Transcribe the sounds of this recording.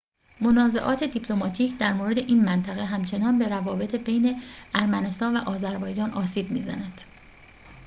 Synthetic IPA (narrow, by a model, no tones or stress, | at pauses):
monɒːze̞̰ʔɒːt̪ʰe̞d̪ipʰlo̞mɒːt̪ʰiːcʰd̪æɾmoːɾe̞d̪e̞ʔiːnmænt̪ʰæɣe̞ɦæmt͡ʃʰe̞nɒːnbe̞ɾævɒːbe̞t̪ʰebejne̞æɾmæne̞st̪ɒːnvæʔɒːzæɾbɒːjd͡ʒɒːnʔɒːsiːb̚mḭːzæ̰næd̪̥